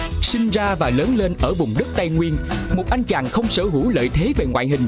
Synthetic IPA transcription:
sï˧ŋzaː˧vaː˨˩ləː˨˦nle˧nʔəː˧˩vʊ˨˩ŋ͡mɗɨ˦˥k̚t̪a˧jŋwi˧ənmo˨˩t̚ʔa˧jŋ̟t͡ɕaː˨˩ŋxə˧wŋ͡msəː˧˩ɦu˧˩lə̰ː˧˨jt̪ʰe˨˦ve˨˩ŋwa̰ː˧˨jɦï˨˩ŋ̟

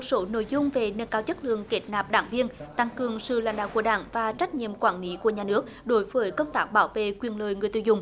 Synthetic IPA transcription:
mmo˨˩t̚so˨˦no̰˧˨jzʊ˧ŋ͡mve˨˩ne˧nkaː˧wt͡ɕə˦˥t̚lɨ˨˩əŋke˨˦˩t̚naː˨˩p̚ɗaː˧˩ŋvi˧ənt̪a˧ŋkɨ˨˩əŋsɨ̰˧˨la̰ː˧˥jŋ̟ɗaː˧˨wku˧˩əɗa̰ː˧˩ŋvaː˨˩t͡ɕa˦˥k̟̚ɲḭ˧˨əmkwaː˧˩nli˨˦ku˧˩əɲaː˨˩nɨ˦˥ək̚ɗo˨˦jvəː˨˦jkə˧wŋ͡mt̪aː˦˥k̚ɓaː˧˦wvḛ˧˨kwi˨˩ənləː˨˩jŋɨ˨˩əjt̪ɨ̰˧˩wzʊ˨˩ŋ͡m

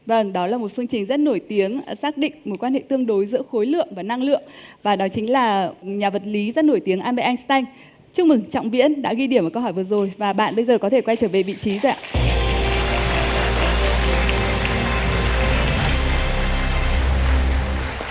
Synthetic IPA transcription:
və˧ŋɗɔ˨˦laː˨˩mo˨˩t̚fɨ˧əŋt͡ɕï˨˩ŋ̟zə˦˥t̚no˧˩jt̪i˨˦əŋ˨saː˦˥k̚ɗḭ̈˧˨ŋ̟mo˨˩t̚kwaː˧nhḛ˧˨t̪ɨ˧əŋɗo˨˦jzɨ̰˧˥əxo˨˦jlɨ̰˧˨əŋvaː˨˩na˧ŋlɨ̰˧˨əŋvaː˨˩ɗɔ˨˦t͡ɕï˨˦ŋ̟laː˨˩ɲaː˨˩və˨˩t̚li˨˦zə˦˥t̚no˧˩jt̪i˨˦əŋʔaː˧nɓɛ̰˧˨ʔa˧jŋst̪a˧jŋ̟ | t͡ɕɨ˧˥mɨ˨˩ŋt͡ɕɔ̰˧˨wŋ͡mvḭ˧˥ənɗa̰ː˧˥ɣi˧ɗi˧˩məː˨˩kə˧wɦɔ˧˩jvɨ˨˩əzo˨˩jvaː˨˩ɓa̰ː˧˨ɓə˧jzəː˨˩kɔ˨˦e˧˩kwa˧˩t͡ɕəː˧˩ve˨˩vḭ˧˨t͡ɕi˨˦zo˨˩ʔa̰˧˨˧

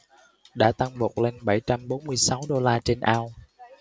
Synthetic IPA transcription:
ɗa̰ː˧˥t̪a˧ŋɓo˨˩k͡p̚le˧nɓa˧˩jt͡ɕa˧mɓo˨˦nmɨ˧əjsa˨˦wɗo˧laː˧t͡ɕe˧nʔaː˧w

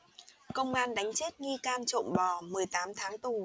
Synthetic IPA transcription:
kə˧wŋ͡mʔaː˧nɗa˨˦jŋ̟t͡ɕe˦˥t̚ŋi˧kaː˧nt͡ɕo̰˧˨ŋ͡mɓɔ˨˩mɨ˨˩əjt̪aː˨˦mt̪ʰaː˨˦ŋt̪u˨˩

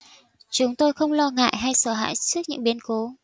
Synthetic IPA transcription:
t͡ɕʊ˨˦ŋ͡mt̪o˧jxə˧wŋ͡mlɔ˧ŋa̰ː˧˨jɦa˧jsəː˧˩ɦa̰ː˧˨jt͡ɕɨ˦˥ək̚ɲɨ̰˧˥ŋɓi˨˦ənko˨˦

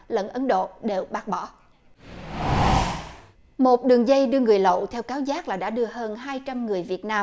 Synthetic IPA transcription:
lə̰˧˨nʔə˨˦nɗo̰˧˨ɗe˨˩wɓaː˦˥k̚ɓɔ̰˧˥ | mo˨˩t̚ɗɨ˨˩əŋzə˧jɗɨ˧əŋɨ˨˩əjlə̰˧˨wt̪ʰɛ˧wkaː˨˦wzaː˦˥k̚laː˨˩ɗa̰ː˧˥ɗɨ˧əɦəː˧nɦaː˧jt͡ɕa˧mŋɨ˨˩əjvi˨˩ət̚naː˧

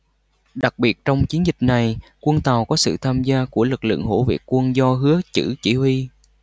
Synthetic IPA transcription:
ɗa˨˩k̚ɓi˨˩ət̚t͡ɕɔ˧wŋ͡mt͡ɕi˨˦ənzï˨˩k̟̚na˨˩jkwə˧nt̪aː˨˩wkɔ˨˦sɨ̰˧˨t̪ʰaː˧mzaː˧ku˧˩əlɨ˨˩k̚lɨ̰˧˨ŋɦo̰˧˥vḭ˨˩ək̚kwə˧nzɔ˧ɦɨ˨˦ət͡ɕɨ̰˧˩t͡ɕi˧˩hwi˧

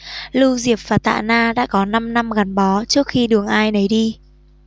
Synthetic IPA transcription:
lu˧zi˨˩əp̚vaː˨˩t̪a̰ː˧˨naː˧ɗa̰ː˧˥kɔ˨˦na˧mna˧mɣa˨˩nɓɔ˨˦t͡ɕɨ˦˥ək̚xi˧ɗɨ˨˩əŋʔaː˧jnə˨˦jɗi˧

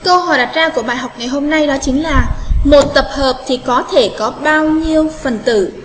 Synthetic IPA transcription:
kə˧ɦɔ̰˧˨˩jɗa˨˩t̚zaː˧ku˧˩əɓaː˨˩jɦa˨˩wk͡p̚ŋa˨˩jɦo˧mna˧jɗɔ˨˦t͡ɕï˨˦ŋ̟laː˨˩mo˨˩t̚t̪ə˨˩p̚həː˨˩p̚t̪ʰi˨˩kɔ˨˦t̪ʰe˧˩kɔ˨˦ɓaː˧wɲi˧əwfə˨˩nt̪ɨ̰˧˩

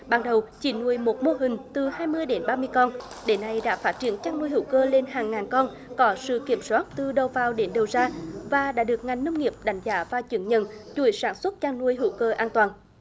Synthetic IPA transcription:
ɓaː˨˩ŋɗə˨˩wt͡ɕḭ˧˩nu˨˧˩əjmo˨˩t̚mo˧ɦï˨˩ŋ̟t̪ɨ˨˩haː˧jmɨ˧əjɗe˨˦nɓaː˧mɨ˧əjkɔ˧n | ɗe˨˦nːa˧jɗa̰ː˧˥faː˦˥t̚t͡ɕi˧˩ənt͡ɕaː˧ŋnu˧əjhḭ˧˦wkəː˧le˧nɦaː˨˩ŋːaː˨˩nkɔ˧n | kɔ˨˦sɨ̰˧˨ki˧˩əmswaː˦˥t̚t̪ɨ˨˩ɗə˨˩wvaː˨˩wɗe˨˦nɗə˨˩wzaː˧vaː˨˩ɗa̰ː˧˥ɗɨ˨˩ək̚ŋa˨˩jŋ̟nə˧wŋ͡mŋi˨˩əp̚ɗa˨˩˦jŋ̟zaː˨˦vaː˨˩t͡ɕwi˨˧˦əŋɲə̰˧˨nt͡ɕu˧˩˦jsaː˧˦nswə˦˥t̚t͡ɕaː˧ŋnu˧əjɦḭ˧˩˦wkəː˧ʔaː˧nt̪waː˨˩n

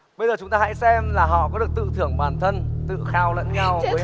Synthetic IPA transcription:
ɓə˧jzəː˨˩ʊ˦ŋ͡mt̪aː˧ha̰˧˥jsɛ˧mlaː˨˩ɦɔ̰˧˨kɔ˨˦ɗɨ˨˩ək̚t̪ɨ̰˧˨kt̪ʰɨ˧˩əŋɓaː˧˨˩nt̪ʰə˧nt̪ɨ̰˧˨xaː˧wlə̰˧˥nɲa˧wv

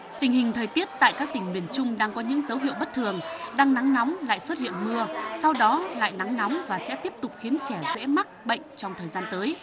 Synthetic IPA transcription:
t̪ï˨˩ŋ̟hï˨˩ŋ̟t̪ʰəː˨˩jt̪i˦˥ət̚t̪a̰ː˧˨jkaː˦˥k̚t̪ï˧˩ŋ̟mi˨˩ənt͡ɕʊ˧ŋ͡mɗaː˧ŋkɔ˨˦ɲɨ̰˧˥ŋzə˨˦wɦḭ˧˨əwɓə˦˥t̚t̪ʰɨ˨˩əŋɗaː˧ŋna˨˦ŋnɔ˨˦wŋ͡mla̰ː˧˨jswə˦˥t̚hḭ˧˨ənmɨ˧əsa˧wɗɔ˨˦la̰ː˧˨jna˨˦ŋna˨˦wŋ͡mvaː˨˩sɛ̰˧˥t̪i˦˥əp̚t̪ʊ˨˩k͡p̚xi˨˦ənt͡ɕɛ˧˩zḛ˧˥ma˦˥t̚ɓə̰˧˨jŋ̟t͡ɕɔ˧wŋ͡mt̪ʰəː˨˩jzaː˧nt̪əː˨˦j

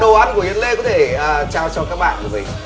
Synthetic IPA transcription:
ə˧ʔaː˨˦nku˧˩ə˨i˨˦ənlḛ˧˥kɔ˨˦t̪ʰeː˧˩˨t͡ɕaː˧wt͡ɕɔ˧kaː˦˥k̚ɓa̰ː˧˨kːvḭ˨˩

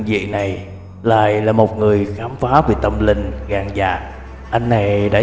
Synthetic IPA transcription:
zḭ˧˨na˨˩j | la̰ː˧˨jlaː˨˩mo˨˩t̚ŋɨ˨˩əjxaː˨˦mfaː˨˦ve˨˩t̪ə˧mlï˧ŋ̟ɣaː˨˩ŋza̰ː˨˩k̚ | ʔa˧jŋ̟na˨˩jɗa̰ː˧˥

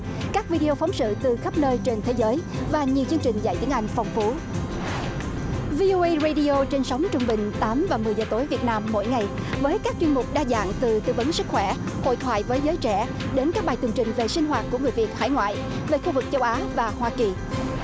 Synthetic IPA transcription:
kaː˦˥k̚vi˧ɗi˧o˧fɔ˨˦wŋ͡msɨ̰˧˨t̪ɨ˨˩xə˦˥p̚nəː˧jt͡ɕe˧nt̪ʰe˨˦zəː˨˦jvaː˨˩ɲi˨˩əwt͡ɕɨ˧əŋt͡ɕï˨˩ŋ̟za̰˧˨jt̪i˨˦əŋʔa˧jŋ̟fɔ˨˩wŋ͡mfu˨˦ | vi˧ʔo˧ʔə˧jzə˧jɗi˧ʔo˧t͡ɕe˧nsa˨˦wŋ͡mt͡ɕʊ˧ŋ͡mɓï˨˩ŋ̟t̪aː˨˦mvaː˨˩mɨ˨˩əjzəː˨˩t̪o˨˦jvi˨˩ət̚naː˧mːo̰˧˥˨jŋa˨˩jvəː˨˦jkaː˦˥k̚t͡ɕwi˧ənmʊ˨˩k͡p̚ɗaː˧za̰ː˧˨ŋt̪ɨ˨˩t̪ɨ˧˩və˨˦nsɨ˦˥k̚xwɛ˧˩ho̰˧˨jt̪ʰwaː˧˨jvəː˨˦jzəː˨˦jt͡ɕɛ˧˩ | ɗe˨˦nkaː˦˥k̚ɓaː˨˩jt̪wɨ˨˩əŋt͡ɕï˨˩ŋ̟ve˨˩sï˧ŋ̟ɦwaː˨˩t̚ku˧˩əŋɨ˨˩əjvi˨˩ət̚ha̰ː˧˩jŋwa̰ː˧˨j | ve˨˩xu˧vɨ˨˩k̚t͡ɕə˧wʔaː˨˦vaː˨˩hwaː˧ki˨˩

